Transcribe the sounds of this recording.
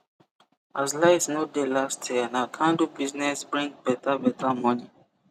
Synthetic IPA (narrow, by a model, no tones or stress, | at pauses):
azlaɪsnodelastʰjianakʰãndubiznɛsbɹĩŋk̚b̥ɛtabɛtʰamɔni